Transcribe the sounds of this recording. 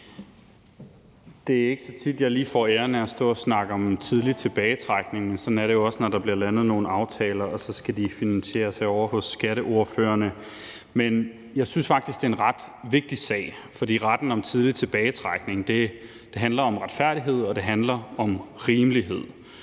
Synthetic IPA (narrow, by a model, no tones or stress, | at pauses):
d̥e̝æɐe̝ɡ̥ə̥sɒ̽t͡sʰid̥jɑ̈ɪliːfɒ̰ːeːɐnəɒsd̥ɔ̰̽ːɒsnɑ̈ɡ̥əɒ̽mt͡sʰið̞ˠlit͡sʰe̝b̥ɛːɪt͡sʰʁɑɡ̥ne̝ŋmensɒ̽næɐɾe̝jo̝ɒ̽snɒɾ̥ɑ̈b̥liɐlænð̞̩ˠno̝ːn̩ɑ̈ʊt͡sʰɛ̰ːlɐɒ̽sɒ̽sɡ̥æd̥ifinænɕe̝̰ːɐsɑ̈ɪɒʊ̰ɐhɔ̽sːɡ̥æɾəʔo̝ɐføːɐnə | men | jɑ̈ɪsynsfɑ̈ɡ̥̚d̥isɡ̥e̝enʁɑd̥ | ʋe̝ɡ̥̚d̥isɛ̰ɪ̰ | fɒ̽dḭːʁad̥n̩ɒ̽mt͡sʰið̞ˠlit͡sʰe̝b̥ɛːɪt͡sʰʁɑɡ̥ne̝ŋd̥e̝ | d̥e̝ɦænlɐɒ̽mʁäd̥fæɐ̰ɾ̥iɦe̝ð̞̰ˠɒ̽d̥e̝ɦænlɐɒ̽mʁiːmliɦe̝ð̞̰ˠ